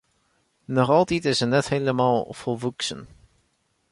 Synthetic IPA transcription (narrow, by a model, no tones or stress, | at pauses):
nɔχɑlˠtitɪsənɛtheləmɑːlˠfɔlˠvuksə̰n